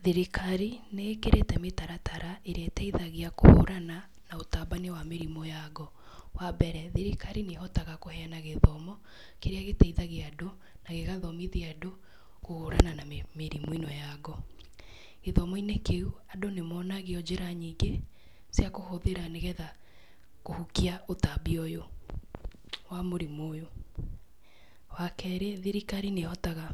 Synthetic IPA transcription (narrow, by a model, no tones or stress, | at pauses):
ðeɾikʰaɾinekeɾetɛmetaɾatʰaɾaeɾeatɛiðaɣeako̰ho̰ɾana | naotaːbanewameɾimɔjaɣɔ | wabɛɾɛðeɾikʰaɾineɦɔtaɣakohɛanaɣeðɔmɔ | keɾeaɣetɛiðaɣeado | naɣeɣaðɔmiðiado | kohoɾananamemeɾimoinɔjaɡɔ | eðɔmɔinekeuadonemɔnaɣeɔd͡ʑeɾaɲiːɡe | sjakohoðeɾaneɣɛða | kohukiaotabiɔjo | wamoɾimoːjo | wakɛɾeðiɾikaɾinehɔtaɣa